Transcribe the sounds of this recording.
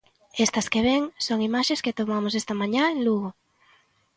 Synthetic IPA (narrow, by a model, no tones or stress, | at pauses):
est̪ɐskeβ̞eŋsoŋimaʃesket̪omamosest̪ɐmãɲãeŋluɣo